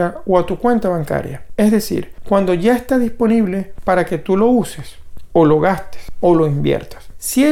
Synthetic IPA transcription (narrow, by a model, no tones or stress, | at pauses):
aoat̪ukwe̞nt̪aβaŋka̰ɾja̰e̞zðe̞sḭɾkwand̪o̞ʝaest̪aðispo̞niβle̞paɾake̞t̪ulo̞useso̞lo̞ɣast̪e̥so̞lo̞imbjḛɾt̪ḁssie